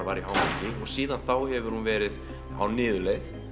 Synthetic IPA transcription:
vaːɾɪaːwmɛcɪɔɣsiːðanθawhɛvʏɾ̥hunvɛːɾɪð | a̰wnɪːðʏlejθ

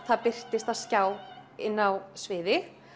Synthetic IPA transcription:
θaðpɪr̥t̪ɪst̪aðscaːwɪnːawsvɪːðɪ

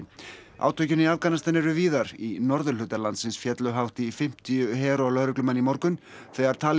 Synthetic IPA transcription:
a̰ːwt̪ʰvœjcʏniavkanast̪anɛɾʏviːðaɾinɔɾðʏlʏːt̪aɾlant̪sɪnsfjɛt̪lʏɦawht̪ɪːfɪm̥t̪ijʏɦɛːɾɔlœhɾʏklʏmanːimɔɾkʏn | θɛɣaɾ̥t̪ʰaːl

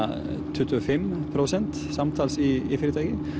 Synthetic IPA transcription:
t̪ʰʉːt̪ʰʉofɛmpʰɾʊsɛnt̪ | sɑmt̪ʰɑːlsiɪfiɾət̪ɑɡə

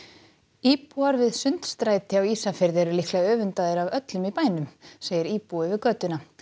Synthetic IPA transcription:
iːpuaɾvɪðsʏnt̪st̪ɾaːjt̪ɪawiːsafɪɾðɛɾʏlihklaœːvʏnt̪aðɪɾavœt̪lʏmipaːjnʏmseːjɪɾiːpuɪvɪðkœːt̪ʏna

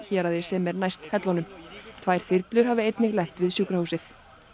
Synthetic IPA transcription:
çɛːɾaðɪsɛmɛɾnajst̪hɛt̪lɔnʏmt̪ʰvaːjɾ̥θɪɾt̪lʏɾ̥haːvɪejt̪nɪɣlɛxt̪vɪðsjuːkɾahusɪθ

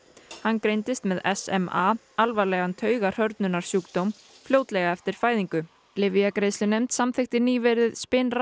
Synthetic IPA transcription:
hanːkɾejnt̪ɪst̪mɛðɛsɛ̰ma | alvaɾlɛːɣant̪ʰœːɥɣar̥œɾt̪nʏnaɾ̥sjuːkt̪owm | fljoːwt̪lɛɣaɛft̪ɪɾ̥faːjðiŋkʏ | lɪvijakɾejslɪnejmt̪samθɪxt̪ɪniːvɛɾɪðspɪnr

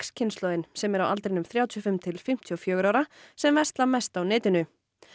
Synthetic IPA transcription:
kscʰɪnst̪lɔðɪnsɛmɛɾawa̰lt̪ɾɪnʏmθɾjawt̪ʰjɔfɪmt̪ʰɪlfɪm̥t̪ʰiɔfjœːɣʏɾaːwɾasɛmvɛst̪lamɛst̪awnɪːt̪ɪnʏ

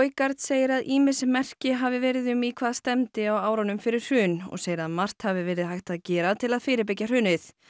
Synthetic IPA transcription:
jkaɾ̥t̪seːjɪɾaðʔiːmɪsmɛr̥cɪɦaːvɪvɛːɾɪðʏmikʰvaːðst̪ɛmt̪ɪawaːwɾanʏmfɪɾɪɾ̥hʏːnɔ̰ɣseːjɪɾaðmar̥t̪havɪvɛːɾɪðhajht̪aðcɛːɾat̪ʰɪlaðfɪːɾɪɾpɪcːar̥ʏːnɪθ

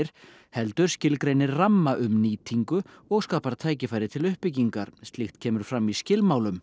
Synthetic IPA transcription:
ɪɾ̥ | hɛlt̪ʏɾ̥scɪlkɾejnɪɾramːaʔʏmniːt̪ʰiŋkʏɔɣskaːpaɾt̪ʰaːjcɪfaːjɾɪt̪ʰɪlʏhpɪc̬iŋkaɾ̥st̪lɪxht̪cʰɛːmʏɾ̥fɾamːiscɪlmaːwlʏm

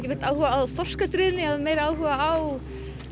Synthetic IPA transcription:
cɪvɪ̥t̪awhʏvaːwfɔr̥skast̪ɾʏːðɪnɪaðmeːjɾaːwhʏɣaaw

